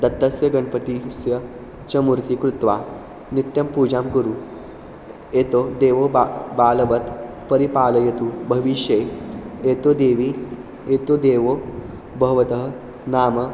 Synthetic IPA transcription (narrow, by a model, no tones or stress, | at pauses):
d̪ɐt̪ːɐsjɐɡɐnpɐt̪isjɐ | t͡ʃɐmuɾt̪ikɾut̪ʋaː | nit̪jɐmpuːd͡ʒaːmkuɾu | eːt̪od̪eːʋoːbaːlɐʋɐt̪ | pɐɾipaːlɐjɐt̪ubʱɐʋiʃjeːeːt̪od̪eːʋi | eːt̪oːd̪eːʋoː | bʱɐʋɐt̪ɐɦɐ | naːmɐ